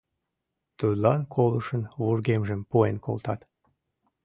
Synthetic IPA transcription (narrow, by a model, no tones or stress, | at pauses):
t̪ud̪lɑnkʰoləʃənβurɣemʒəmpuenko̰lt̪ɑt̪